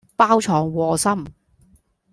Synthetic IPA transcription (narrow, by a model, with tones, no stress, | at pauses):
paː˥wt͡ʃʰɔː˨˩ŋwɔː˨˩sɐ˥m